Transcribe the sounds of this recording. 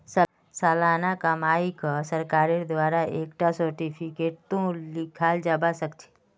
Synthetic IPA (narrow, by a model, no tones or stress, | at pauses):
s | salaːnakamaːikasəɾkaːɾed̪ʋaːɾaʔeːkʈasəɾʈipʰikeːʈ̚t̪õlɪkʰaːld͡ʒabasəkt͡ʃʰe̥